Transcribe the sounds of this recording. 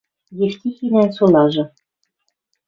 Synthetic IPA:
jeft̪ʲixʲinænʲsonɑʒɤ̆

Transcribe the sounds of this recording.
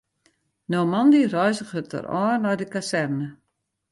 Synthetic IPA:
nomandirɔɥzəχətʰə̰rɔ̰ːrnɔjdəkasɛrnə

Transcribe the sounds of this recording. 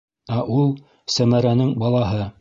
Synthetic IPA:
æʔulˠ | sæmæɾænɘŋbɑlˠɑɦɤ

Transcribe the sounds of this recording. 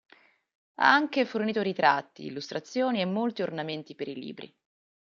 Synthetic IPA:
a̰aŋkeforniːt̪oɾit̪ɾat̪ːḭːlːust̪ɾat̪sːjoːniemːolt̪iornament̪ipeɾilḭːbɾḭ

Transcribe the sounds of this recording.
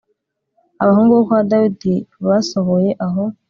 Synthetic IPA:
aβaɦuːŋɡuβokuβadawidiβasohoje̞ʔaɦo̞

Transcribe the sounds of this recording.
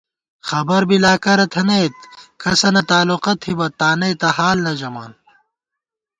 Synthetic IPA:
xɐbɐɾbilaːkɐɾɐt̪ʰɐnɐjt̪kɐsɐnɐt̪aːluqɐt̪ʰibɐt̪aːnɐjt̪ɐhaːlnɐd͡ʑɐma̰ːn

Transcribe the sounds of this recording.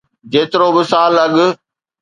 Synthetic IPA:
d͡ʑeːt̪ɪɾoːbɪsaːlɐɠ

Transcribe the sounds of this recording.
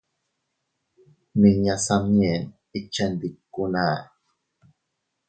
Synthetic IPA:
niɲasamie | it͡ʃːend̪ikːuna

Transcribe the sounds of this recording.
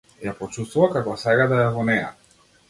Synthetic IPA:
japɔt͡ʃust̪vuvakakɔsɛɡad̪ajavɔnɛja̰

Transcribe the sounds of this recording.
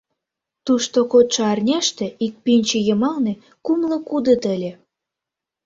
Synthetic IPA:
t̪uʃt̪okot̪ʃɤ̆ɑrnʲæʃt̪ĕik̚pinʲt͡ɕĕjɤ̆mɑlne | kumlɤ̆kud̪ə̆t̪ə̆lʲĕ

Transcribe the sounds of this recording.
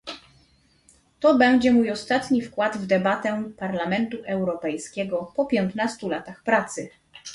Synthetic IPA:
t̪ɔbɛɲd͡ʑɛmujɔst̪at̪ɲifkwad̪vd̪ɛbat̪ɛpaɾlamɛnt̪uʔɛwɾɔpɛjskʲɛɡɔpɔpʲjɛnt̪nast̪ulat̪axpɾat̪sɘ

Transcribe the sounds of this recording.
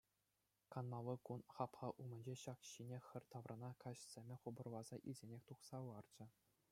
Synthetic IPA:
kɑnmɑʋɤkunχɑpχɑʔumɘ̆nʲd͡ʑeɕɑkɕinʲexʲɘ̆rʲt̪ɑʋrʔɑnɑkɑɕsʲemʲɘ̆χubɤ̆rlˠɑzɑʔḭlʲzʲenʲexʲt̪uχsɑlɑrd͡ʑɘ̆

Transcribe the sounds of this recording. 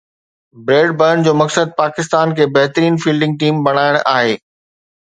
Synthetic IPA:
bɾeːɖbəəɳd͡ʑoːmɐksəd̪̚paːkɪst̪aːnkʰeːbɐɦt̪ɾiːnfiːlɖɪ̃ŋɡ̚ʈiːmbɐɽ̤̃aːɪɽ̃ʔaːɦeː

